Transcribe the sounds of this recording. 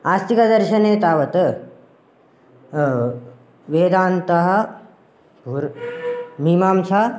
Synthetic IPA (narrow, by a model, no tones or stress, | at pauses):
aːst̪ikɐd̪ɐɾʃɐneːt̪aːʋɐt̪ | ʋeːd̪aːnt̪ɐɦɐ | puɾ | mimaːmsa